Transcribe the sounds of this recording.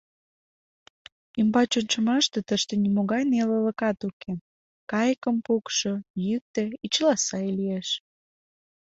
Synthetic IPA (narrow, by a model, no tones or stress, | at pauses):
imbɑt͡ɕonʲt͡ɕəmɑʃt̪et̪əʃt̪enimoɣɑjnelələ̆kɑt̪ukʰe | kɑjkəmpukʃojyk̚t̪eit͡ɕəlɑsɑjlieʃ